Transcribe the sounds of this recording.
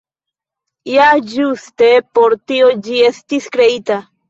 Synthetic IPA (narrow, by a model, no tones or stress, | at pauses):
jad͡ʒust̪epoɾt̪iod͡ʒiest̪iskɾeit̪a